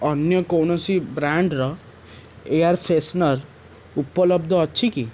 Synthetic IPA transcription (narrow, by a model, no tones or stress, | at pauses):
ɔnjɔkownɔsibɾaɳɖɾɔ | ejaɾpʰesnʌɾ | upɔlɔbd̪ʱɔːtːʃʰiki